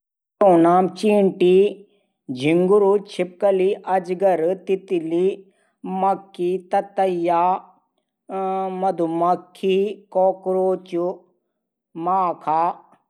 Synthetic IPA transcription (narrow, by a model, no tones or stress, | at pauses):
ʈoːnaːmt͡ʃiːɳʈi | d͡ʒʱiŋɡuɾut͡ʃʰip̚kɐliʔɐd͡ʒɡɐɾt̪it̪ili | mɐkːit̪ɐt̪ɐjaː | mɐd̪umɐkʰːikoːkɾoːt͡ʃu | maːkʰaː